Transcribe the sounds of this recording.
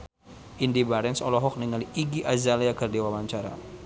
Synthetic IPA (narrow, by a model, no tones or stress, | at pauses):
ʔindibaɾɛnsɔlɔɦɔk̚niŋaliiɡiʔazaliakərdewawaɲt͡ʃaɾa̰